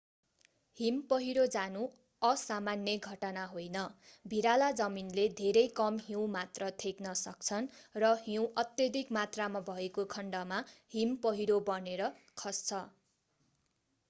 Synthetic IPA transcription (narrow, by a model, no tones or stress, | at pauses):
himpʌɦiɽod͡zanu | ʌsamanjʌɡʱʌʈʌnaɦojnʌbʱiɾalad͡zʌminled̪ʱeɾʌjkʌmɦiw̃mat̪rʌt̪ʰeknʌsʌk̚t͡sʰʌnrʌɦiw̃ʔʌt̪jʌd̪ʱikmat̪ramabʱʌekokʰʌɳɖʌmaɦimpʌɦiɽobʌneɾʌ | kʰʌst͡sʰʌ